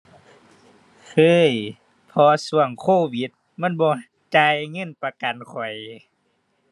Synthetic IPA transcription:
kʰɤː˧˥˩j | pʰɔː˧˦su˧əŋkʰoː˧˥˩wi˧˦t̪̚ | ma˧˥˨nbɔː˧˦ | t͡ɕaː˧jŋɤ˧˥˨npa˧ka˨nkʰɔ˨˩j

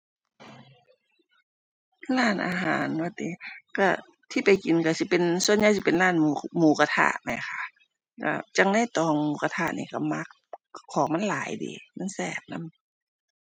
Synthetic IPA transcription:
laː˧˥˩nʔa̰ː˧ɦa̰ː˨˦nwa˧˩t̪iː˧˦ka˧˩ | t̪ʰiː˧˩pa˨jki˨nka˧˩si˧˦pe˨nsu˧ə˨nɲa˧˥˦s̬i˧pe˨nlaː˧˩˨nmu˧muː˨˦ka˧t̪ʰa̰˧˩ʔma˧˩˨kʰa˧˩ʔ | ka̰˧˩t͡ɕa˧˦ŋna˧˥˨jt̪ɔː˨˧˩ŋmuː˧˦ka˧t̪ʰa˧˨ʔnḭː˧˩ka˧˩ma˧˥k̚kʰːɔː˨˦ŋma˧˥˨nlaː˨˦jdḭː˨˦ma˧˥˨nsɛː˧˩p̚na̰˧˥˨m

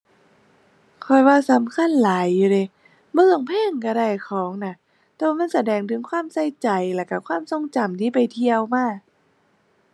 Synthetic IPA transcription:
kʰɔ˧˩jwaː˧˩sa˨˦mkʰa˧˥˨nlaː˨˦jːuː˧˩de˧˩ | mɯː˧˩əŋpʰɛː˧˥˩ŋka˧˩ɾa˧˩jkʰɔː˨˦ŋna˧˩ | t̪ɛː˧waː˧ma˧˥˨nsa˧˦dɛː˨˩ŋt̪ʰɯ˨˦ŋkʰwaː˧˥˨msa˧˩jt͡ɕa˨˩jlɛː˧˩ka˧˩kʰwaː˧˥˨mso˧˨ŋt͡ɕa˨˩mt̪ʰiː˧˩pa˨jt̪ʰi˧əwmaː˧˥˩

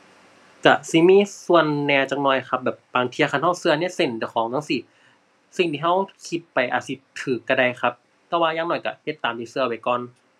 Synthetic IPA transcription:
ka˧˩si˧˦miː˧˥˨su˧ənːɛː˧wt͡ɕaː˨˩k̚nɔː˨˩jxʰa˧˦˥p̚bɛː˨˩p̚baː˧ŋt̪ʰi˧xʰa˧˩nha˧˥˩wsɯ˧ni˥˩ɐse˨˩nt͡ɕa˧˩˨kʰɔː˨˦ŋt̪ʰa˧ŋsiː˧˦ | si˨˩ŋt̪ʰiː˧ɦa˧˥˩wkʰi˧˥t̪̚pa˧˨jʔa̰˨˧˩si˧˦t̪ʰɯː˨˩kːa˧˩da˧jxʰa˧˥p̚ | t̪ɛː˧˩waː˧jaː˧ŋnɔː˨˩jka̰˧˩he˧˦t̪ːaː˨˦mdiː˧˩sɯ˧ɐpa˨˩jkɔː˨˩n

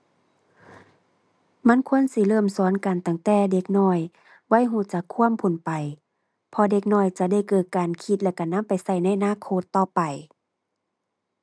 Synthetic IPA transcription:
ma˧˥˨nkʰu˧˥ənsi˧˦lɤː˧˩˨msu˨˦ənka˨nt̪a˧˩ŋt̪ɛː˧˩de˧k̚nɔː˧˩˨j | wa˧˥˨jɦuː˧˩t͡ɕa˧˦kʰːu˧˥˨ə˨mpʰo˨˩npa˨j | pʰɔ˧de˧˦k̚nɔː˧˩˨jt͡ɕa˧˩da˧˩jkɤː˧˩t̪̚kaː˨nkʰi˧˦t̪̚lɛ˧˩ka˨˧˩na˧˥˨mpa˨jsa˧˩jna˧˩˨ʔa˧naː˧˥˨kʰoː˧˥˦t̪ːɔː˧pa˨j

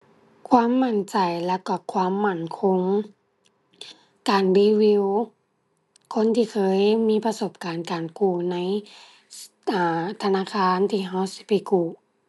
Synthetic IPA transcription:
kʰwaː˧˥˨mːa˧˩nt͡ɕa˨˩jlɛ˧˥˩wka˧˩kʰwaː˧˥˨mːa˧˩˨nkʰo˧˥ŋ | kaː˨˩nbiː˧˥wi˧w | kʰo˧˥˨nt̪ʰiː˧kʰɤː˧˥˨jmiː˧˥˨pa˧so˧˩p̚kaː˨˩nkaː˨˩nkuː˧˩na˧˥˨j | ʔaː˨˩t̪ʰa˧naː˧˥˨kʰaː˧˥˨nt̪ʰiː˧˩ɦa˧˨wsi̥˧˦pa˨˩jkuː˧˩

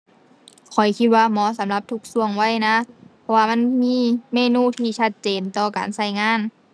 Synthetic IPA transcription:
kʰɔ˨˩jkʰi˧t̪̚waː˧˨mɔː˧˦sa˨˦mla˧p̚t̪ʰu˧˥k̚su˧˩əŋwa˧˥˨jna˧˥pʰɔ˧waː˧ma˧˥˨nmiː˧˥˨meː˧˨nuː˧˥˨t̪ʰiː˧t͡ɕʰa˧t̪̚t͡ɕeː˨nt̪ɔː˧˩ka̰ː˨˩nsa˧˩jŋaː˧˥˨n

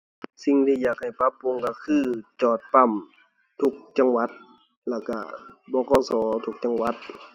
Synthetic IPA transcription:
si˧˨ŋt̪ʰiː˧˨jaː˨˩k̚ha˨˩jpa˧˥pːu˧˥˨ŋka˧˩kʰɯː˧t͡ɕɔː˨˩t̪̚pa˧˨m | t̪ʰu˧˦k̚t͡ɕa˧˨ŋwa˧˦t̪̚ | lɛ˧˩wka˧˩bɔː˧˦˨kɔː˧˨sɔː˨˦t̪ʰu˧k̚t͡ɕa˧˨ŋwa˧˦t̪̚

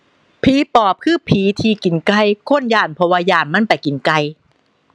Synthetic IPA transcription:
pʰiː˨˦pɔː˨˩p̚kʰɯː˥˩pʰiː˨˦t̪ʰiː˧ki˨˩nka˧jkʰo˧˥˨njaː˨˩npʰɔ˧waː˧jaː˨˩nma˧˥˨npa˨˩jki˨˩nka˧j

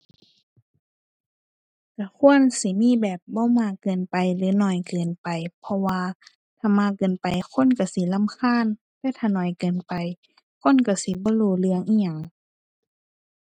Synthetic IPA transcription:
ka˧˩kʰu˧˥˨ə˨nsi˧˦miː˧˥˨bɛː˨˩p̚bɔː˧˦maː˧˨kɤː˨˩npa˨jlɯː˨˦nɔ˧˩jkɤː˨˩npa˨jpʰɔ˧waː˧ | t̪ʰaː˧˩maː˧˥˨kɤː˨npa˨jkʰo˧˥˨nka˧˩si˧˦la˧˥˨mkʰaː˧˥˨n | t̪ɛː˧˨t̪ʰaː˧˩˨nɔː˨˩jkɤː˨npa˨j | kʰo˧˥˨nka˧˩si˧˦bɔː˧˦˨luː˧˩lɯ˧əŋʔiː˧˨ɲa˧˨ŋ

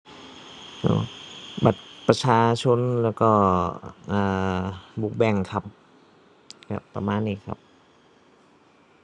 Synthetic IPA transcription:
ʔo̰ː˧˩ba˨˩t̪̚pɾa˧t͡ɕʰaː˧t͡ɕʰo˧˥nlɛː˧˥˩wkɔː˧˩ʔaː˨˩buː˨˩k̚bɛ˧˩ŋkʰa˧˩p̚ | ka̰˧˩t̪ɔ̰˧˩˨maː˧˨nːiː˧˩˨kʰa̰˧˦p̚

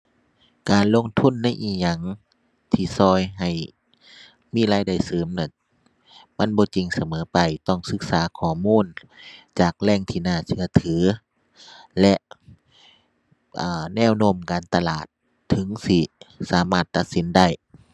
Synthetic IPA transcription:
kaː˨nlo˧˥˨ŋt̪ʰu˧˥˨nːa˧˥˨jʔiː˧˩ɲa˧ŋ | t̪ʰiː˧˩sɔː˧˩jɦa˨˩j | miː˧˥˨laː˧˩jda˧˩jsɤː˨˦mna˧˩˨n | ma˧˥˨nbɔː˧˦t͡ɕi˨ŋsa˧mɤː˨˦pa˨jt̪ɔ˧˩ŋsɯ˧˦k̚saː˨˦kʰɔː˧˩muː˧˥˨n | t͡ɕaː˨˩k̚lɛː˧˥˨ŋt̪ʰiː˧˩naː˧˩sɯ˧ɐt̪ʰɯː˨˦ | lɛ˧ʔ | ʔaː˨˩nɛː˧˩˨wno˧˥˩mkaː˨nt̪a˧laː˨˩t̪ʰː | ɯ˨˦ŋsi˧˩saː˨˦maː˧˩t̪ːa˧t̪̚si˨˦nda˥˩j

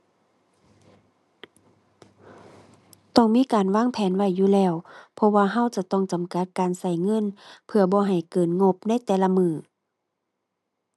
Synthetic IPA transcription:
t̪ɔ˧˩ŋmiː˧˥˨kaː˨˩nwaː˧˥˨ŋpʰɛː˨˦nwa˧˩jːuː˧˨lɛː˧˩˨wpʰɔ˧waː˧ɦa˧˥˨wt͡ɕa˧˩t̪ɔː˧˩˨ŋt͡ɕa˨˩mka˧˦t̪̚kaː˨nsa˧˩jŋɤ˧˥˨npʰɯ˧ɐbɔː˧˦ɦa˨˩jkɤː˨˩nŋo˧p̚na˧˥˨jt̪ɛː˧la˧mɯː˧˩

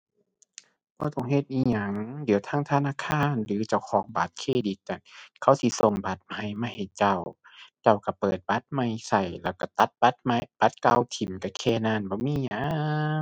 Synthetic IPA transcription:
b̥ɔː˧˦t̪ɔ˧˩ŋɦe˧˦t̪̚ʔiː˧˨ɲa˧˩ŋdi˨˩˦wt̪ʰaː˧˥˨ŋt̪ʰa˧naː˧˥˨kʰaː˧˥˨nlɯː˨˦t͡ɕa˧˩wkʰɔː˨˦ŋba˨˦t̪̚kʰeː˧˨di˧˦k̚ːa˧˩nkʰa˧˩wsi˧˦so˧˩ŋba˧˦t̪̚ma˧˩jmaː˧˨ha˨˩jt͡ɕa˧˩wt͡ɕa˧˩wka˧˩pɤː˨˩t̪̚ba˧˦t̪̚ma˧˩jsa˧˩jlɛː˧˩wka˧˩t̪a˧˦t̪̚ba˧˦t̪̚ma˧jb̥a˧˦t̪̚ka˧˨wt̪ʰi˨˩˦mka˧˩kʰɛː˧˩naː˧˨nbɔː˧˦miː˧˥˨ɲa˧˦˧

